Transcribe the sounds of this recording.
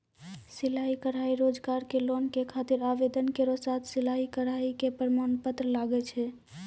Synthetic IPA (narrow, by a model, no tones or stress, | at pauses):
silaikəɾaiɾod͡ʒɡaɾkelonkekʰat̪iɾaʋed̪ənkeɾosat̪ʰsilaikəɾaikepɾəmanpət̪ɾəlaɡɛt͡ʃʰɛ